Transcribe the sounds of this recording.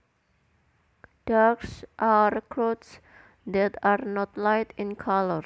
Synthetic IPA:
d̥aksʔarkʰɹots | d̪ɛt̪arnɔt̪lajtɪ̃nkʰalər

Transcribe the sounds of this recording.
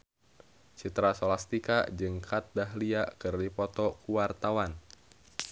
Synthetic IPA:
t͡ʃit̪ɾasolast̪ika̰d͡ʒɨŋkʰat̪̚daɦliakɨrdipɔt̪ɔkuwart̪awan

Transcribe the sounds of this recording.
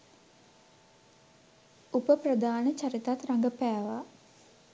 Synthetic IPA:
upəprəd̪aːnət͡ʃaɾit̪at̪raŋɡəpæːʋa

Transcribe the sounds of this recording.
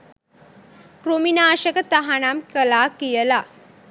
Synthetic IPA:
kɾominaːʃəkət̪aɦanamkəlakijəla

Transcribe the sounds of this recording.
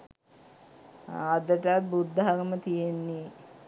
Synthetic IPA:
ad̪əʈət̪̚bud̪ːəɦaɡəmət̪ijenːe

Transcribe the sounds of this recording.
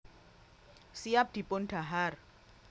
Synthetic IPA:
siap̚d̪̥i̤pʊnɖ̥a̤ɦar

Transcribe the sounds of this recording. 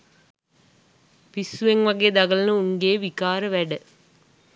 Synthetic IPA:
pisːuʋeŋʋaɡeːd̪aɡələnəuŋɡeːʋikaːɾəʋæɖə

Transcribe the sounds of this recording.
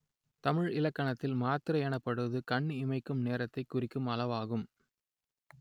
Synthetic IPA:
t̪ɐmɪɻɪlɐkːɐɳɐt̪ːɪlmaːt̪ɪɾɐjɐnɐpːɐɽɯʋɐðɯkɐɳːɯɪmɐɪkːɯmneːɾɐt̪ːɐɪkːʊrɪkːɯmɐlɐʋaːɣɯm

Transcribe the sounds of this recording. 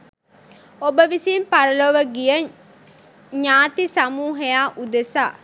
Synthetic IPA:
obəʋisiːmpaɾəloʋəɡijə | ɲaːt̪isamuːɦejaːʔud̪esaː

